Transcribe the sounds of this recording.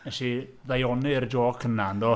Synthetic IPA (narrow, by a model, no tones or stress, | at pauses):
ɛʃiðajɔnɨrd͡ʒɔːkʰənand̪ɔ